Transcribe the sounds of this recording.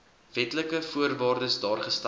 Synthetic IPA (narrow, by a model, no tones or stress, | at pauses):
vɛtləkəfuərvɑːrdəsdɑːrχəst